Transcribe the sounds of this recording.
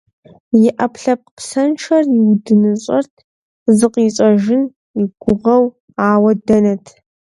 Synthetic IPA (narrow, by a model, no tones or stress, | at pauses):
jɪʔɐpʰɬɐp̚qsɐnʈ͡ʂʰɐrjɪwdɨnɨɕʼɐrtʰ | zɨqiːɕʼɐʒɪn | iɡʷʊʁɐw | aːwɐdɐnɐtʰ